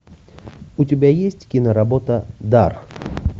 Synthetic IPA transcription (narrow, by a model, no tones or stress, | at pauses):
ʊtʲɪbʲajesʲtʲkʲinəɾɐbot̪əd̪ar